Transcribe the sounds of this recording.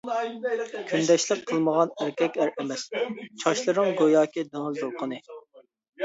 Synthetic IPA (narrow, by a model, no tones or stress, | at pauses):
kʲʰynd̪ɛʃlɪp̚qʰəlˠməʁɑnæɾkʲʰɛkʲæɾɛmɛst͡ʃʰɑʃlˠɨɾɨŋɡojɑːkʲid̪ɑŋld̪oɾqʰənɨ